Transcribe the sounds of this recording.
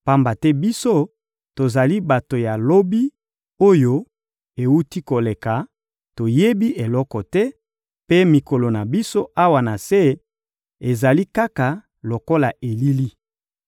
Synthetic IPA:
pa˦mba˨tɛ˦bi˦so˦ | to˨za˨li˦ba˨to˨ja˨lo˦bi˦ | o˦jo˦ | e˨wu˦ti˦ko˨le˨ka˨ | to˨je˦bi˦ʔe˨lɔ˦kɔ˨tɛ˦ | pe˦mi˨ko˨lo˨na˨bi˦so˦ʔa˦wa˨na˨se˦ | e˨za˨li˦ka˦ka˨ | lo˨ko˦la˨ʔe˨li˦li˦

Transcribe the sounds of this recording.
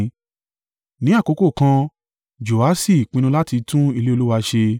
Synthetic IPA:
nĩ˨˦a˦˨ko˨˦ko˦˨kã˧ | d͡ʒo˨a˨˦si˦˨k͡pĩ˧nũ˧la˦ti˧tũ˦i˦˧le˦o˧lu˦wa˧ʃe˧

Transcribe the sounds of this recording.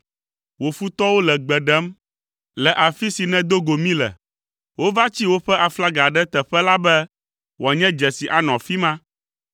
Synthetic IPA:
wo˨fu˦t̪ɔ˦wo˦lɛ˨ɡ͡bɛ˨ɖɛ˦m | lɛ˨ʔa˨fi˦si˨nɛ̃˦d̪o˦ɡo˨mĩ˦lɛ̰˨ | wo˦va˦t͡ɕi˦wo˦ɸɛ˦ʔa˨fla˦ɡa˨ɖɛ˦t̪ɛ˨ɸɛ˦la˦bɛ˦ | wɔ˨ɲɛ̃˦d͡ʒɛ˨si˨ʔa˨nɔ̃˨fi˦mã˦

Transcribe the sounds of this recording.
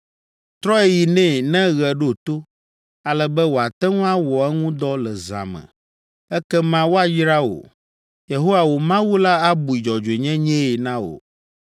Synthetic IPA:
t̪ɾɔ˦ɛ˦ji˨nɛ̃˦˨nɛ̃˦ɣɛ˨ɖo˦˨t̪o˦ | a˨lɛ˨bɛ˦wo˨a˨t̪ɛ˦ŋũ˦a˦wɔ˨ɛ˦ŋũ˦d̪ɔ˦lɛ˨zã̰˨mɛ̰̃˨ | ɛ˦kɛ˦mã˦wo˦a˨ji˦ɾa˦wo̰˨ | je˨ɦo˦wa˨wo˨mã˦wu˦la˦a˦bu˨i˨d͡ʒɔ˨d͡ʒe˨ɲɛ̃˦ɲɛ̃˦e˨nã˦wo̰˨

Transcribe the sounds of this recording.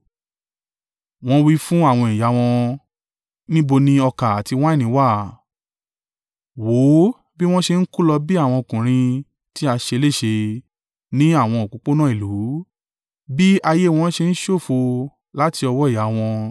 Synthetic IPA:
w̃ɔ̃˦wi˦fũ˦a˦˨w̃ɔ̃˧i˨ja˨˦w̃ɔ̃˧ | nĩ˦bo˧nĩ˦ɔ˧ka˨a˨ti˧w̃ã˦i˦˨nĩ˨˦wa˦˨ | wo˨˦ | bi˦w̃ɔ̃˦ʃe˧n̩˦ku˦lɔ˧bi˦a˦˨w̃ɔ̃˧o˨kũ˨ɾ̃ĩ˧ | ti˦a˧ʃe˧le˦˨ʃe˧ | nĩ˦a˦˨w̃ɔ̃˧o˨kũ˨˦k͡po˦nã˦i˦˨lu˨˦ | bi˦a˧je˦˧w̃ɔ̃˦ʃe˧n̩˦ʃo˦˨fo˧ | la˦ti˧ɔ˧wɔ˦i˦˨ja˨˦w̃ɔ̃˧

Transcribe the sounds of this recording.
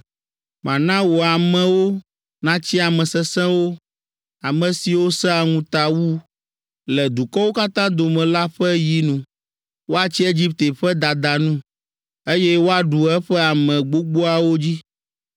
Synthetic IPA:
mã˨nã˦wo˨a˨mɛ̃˨wo˦ | nã˦t͡ɕi˦a˨mɛ̃˨sɛ˦sɛ̃˦wo˦ | a˨mɛ̃˨si˨wo˦sɛ˦a˨ŋũ˦t̪a˨wu˦ | lɛ˨d̪u˨kɔ˦wo˦ka˦t̪ã˦d̪o˨mɛ̃˨la˦ɸɛ˦ji˦nũ˨ | wo˦a˨t͡ɕi˦e˦d͡ʑi˦p̚t̪e˨ɸɛ˦d̪a˨d̪a˨nũ˦ | e˦jɛ˦wo˦a˨ɖu˨ɛ˦ɸɛ˦a˨mɛ̃˨ɡ͡bo˦ɡ͡bo˦a˨wo˦d͡ʑi˦

